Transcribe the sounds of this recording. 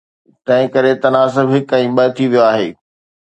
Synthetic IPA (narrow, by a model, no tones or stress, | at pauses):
t̪ɐ̃ɦɪ̃kɐɾet̪ɐnaːsɪbɦɪkɛ̃ːɓɐɦt̪ʰiʋijoaːɦḛː